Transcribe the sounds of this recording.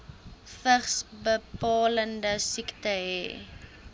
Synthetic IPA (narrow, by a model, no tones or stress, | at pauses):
fəχsbəpɑːləndəsiktəɦɛ̰ː